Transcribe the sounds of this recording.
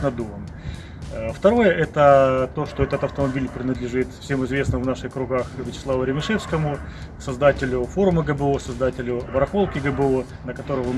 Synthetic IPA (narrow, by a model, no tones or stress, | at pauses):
nɐd̪umən | ft̪ɐɾo̞jəʔɛt̪ət̪o̞ʂt̪oɛt̪ət̪ɐft̪əmɐbʲilʲpɾʲɪnəd̪lʲɪʐɨt̪fsʲe̞mɨzvʲe̞snəvnaʂɨxkɾʊɡaxvʲɪt͡ɕɪ̥slˠavʊɾʲɪmʲɪʂɛfskəmʊsɐzd̪atʲɪlʲʊfo̞ɾʊməɡəbəosɐzd̪atʲɪlʲʊvəɾɐxo̞lˠkʲɪɡəbəo | nəkɐt̪o̞ɾəvə